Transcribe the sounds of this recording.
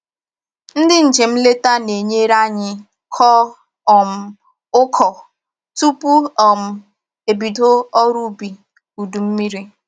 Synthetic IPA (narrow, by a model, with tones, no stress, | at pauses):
n̩˦dɪ˦n̩˨d͡ʒe˨m̩˦le˦ta˦ne˨ɲe˦ɾa˦ɲɪ˦ | kʰɔ˦ | ɔ˨m̩˨ | ʊ˦kʰɔ˨ | tu˦pu˦ɔ˨m̩˨ | e˨bi˨do˦ɔ˦ɾu˦bi˨ | u˨du˨m̩˦mi˦ɾi˦